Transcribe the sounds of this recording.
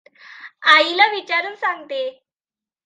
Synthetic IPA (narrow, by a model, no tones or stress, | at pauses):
ailaʋit͡ɕaɾuːnsãŋɡt̪e